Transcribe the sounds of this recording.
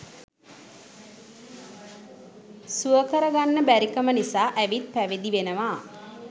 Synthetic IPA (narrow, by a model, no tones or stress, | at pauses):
suəkəɾəɡanːəbæɾikəmənisaːʔæʋit̪̚pæʋed̪iʋenəʋaː